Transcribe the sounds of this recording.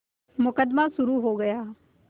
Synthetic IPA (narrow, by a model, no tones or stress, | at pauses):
mʊkəd̪masʊɾuɦoːɡəjaː